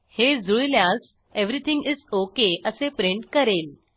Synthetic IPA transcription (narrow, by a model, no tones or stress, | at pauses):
hezujljãz | eʋɾit̪ʰĩŋɡɪzokeʔəsepɾĩɳʈkəɾel